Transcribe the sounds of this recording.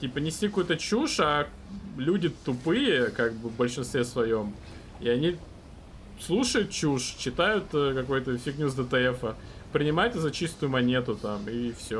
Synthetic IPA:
tʲipənʲɪsʲtʲikɐkujt̪ət͡ɕuʂa | lʲudʲɪt̪ʊpɨjəkaɡ̚bɨvbəlʲʂɨnst̪vʲesvɐjom | ḭɐnʲi | slˠuʂəjʊt̪̚t͡ɕuʂt͡ɕɪt̪ajʊt̪əkɐko̞jt̪əfʲiknʲuzd̪ət̪ɛɛfə | pɾʲɪnʲɪmajʊt̪ɨzɐt͡ɕist̪ʊjʊmɐnʲe̞t̪ʊt̪amifsʲo

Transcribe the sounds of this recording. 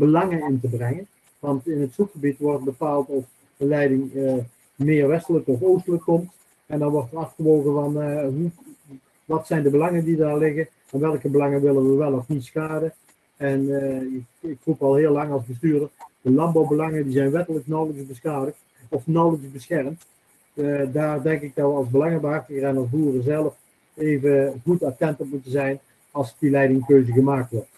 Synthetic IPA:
bəlɑŋənɪntəbrɛŋən | ʋɑntɪnətsukxəbitʋɔrt̚bəpaːlˠtɔf | əlɛjdɪŋə | mɪːrʋɛstələkɔfoːstələkːɔmt | ɛndɔnʋɔrtərɑfxəʋoːɣəvɑnɦu | ʋɑtsɛjndəbəlɑŋəndidaːrlɪɣə | ɛnʋɛlˠkəbəlɑŋənʋɪlənʋəʋɛlˠɔfniskaːdə | ɛnɪkɪkrupɑlˠɦɪːəlˠːɑŋɑlˠzbəs̬tyːɹdərd̥əlɑmbɑwbəlɑŋəndizɛjnʋɛtələknɑwləksbəsxaːdəkt | ɔfnɑwləksbəsxɛrmt | daːrdɛŋkɪk̚dɑtʋəɑlˠzbəlɑŋəbəɦɑχtəɣərɛnɑlˠzbuːrəzɛlˠəf | eːvəɣutatɛntɔpmutəzɛjn | ɑlˠsdilɛjdɪŋkøɥzəɣəmaːk̚tʋɔɹt

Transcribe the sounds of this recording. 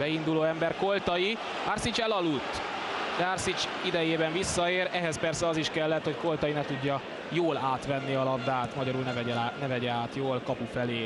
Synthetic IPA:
bɛind̪uloːɛmbɛrko̞lt̪ɒji | arsit͡ʃɛlɒlːut̪ː | d̪ɛarsit͡ʃid̪ɛjeːbɛɱvisːɒeːɾɛɦɛspɛrsɛɒziʃkɛlːɛt̪ho̞cko̞lt̪ɒjinɛt̪uɟːɒ | joːlaːt̪ʋɛnːiɒlɒbd̪aːt̪mɒɟɒɾuːlnɛvɛanɛvɛɟɛaːt̪joːlkɒpufɛleː

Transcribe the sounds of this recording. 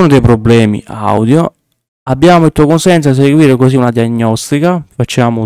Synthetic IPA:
nod̪ejpɾobːlɛːmḭʔa̰wd̪jo | abːjaːmoilt̪uːakonsɛnt̪sod̪is̬eɡwiːɾekoziunad̪iaɲːɔst̪ikafat͡ʃːaːmo

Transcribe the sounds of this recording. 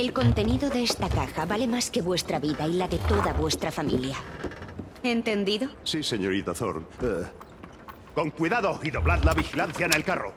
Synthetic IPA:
e̞lko̞nt̪e̞niðo̞ðe̞est̪akaxaβale̞maske̞βwe̞st̪ɾaβiðailaðe̞t̪o̞ðaβwe̞st̪ɾafamḭlja | e̞nt̪e̞nd̪iðo̞sise̞ɲoɾit̪aθo̰ɾ | ko̞ŋkwiðaðoiðo̞βlaðlaβixilanθjanelkaro̰

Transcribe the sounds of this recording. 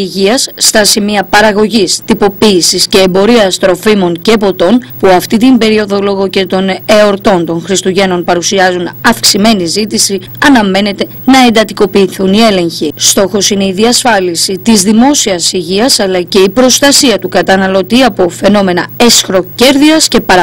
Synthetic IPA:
iʝiɐsːt̪ɐsimiɐpɐɾɐɣo̞ʝist̪ipo̞piːsisce̞ːmbo̞ɾiɐst̪ɾo̞fimo̞ŋce̞po̞t̪o̞npuɐft̪it̪imbe̞ɾio̞ðo̞lo̞ɣo̞ce̞t̪o̞ne̞o̞ɾt̪o̞nt̪o̞nxɾist̪uʝe̞no̞npɐɾusiɐzunɐfksime̞nizit̪isi | ɐnɐme̞ne̞t̪e̞ | nɐe̞nd̪ɐt̪iko̞piːθunie̞le̞ɲçist̪o̞xo̞sine̞iðiɐsfɐlisit̪izðimo̞siɐsiʝiɐsɐlɐce̞ipɾo̞st̪ɐsiɐt̪ukɐt̪ɐnɐlo̞t̪iɐpo̞fe̞no̞me̞nɐe̞sxɾo̞ce̞ɾðiɐsce̞pɐɾ

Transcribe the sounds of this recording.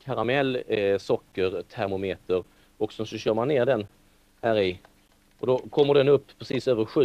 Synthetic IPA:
kʰaɾamɛlːsɔkːəɾt̪ʰæɾmʊmeːt̪əɾ | ɔksɔnsɔɕœːɾmanːeːɖɛn | hæːɾɪ | ɔd̪ɔkʰɔmːəɖɛnɵpːpʰːɾɛsiːsøːvəɾɧʉ̟

